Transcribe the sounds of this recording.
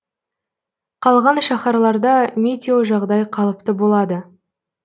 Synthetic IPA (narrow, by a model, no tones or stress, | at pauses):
qʰɑlˠʁɑnʃɑχɑɾlˠɑɾd̪ɑmʲet̪ʲeoʒɑʁd̪ɑjqʰɑlˠəp̚t̪əbolˠɑd̪ə